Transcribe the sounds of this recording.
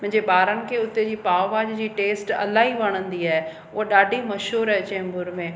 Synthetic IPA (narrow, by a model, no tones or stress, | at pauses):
mʊ̃ɦɪ̃ɲd͡ʑeɓaːɾənɪ̆kʰeːʊt̪ed͡ʑiːpaːʋʋaːd͡ʑd͡ʑiːʈeːsʈɐ̰laːiʋɐɽ̃ə̃nd̪iaːɦe | ʊɦoɗaːɖʱimɐʃuːɾɛt͡ɕẽːmbʊɾmẽ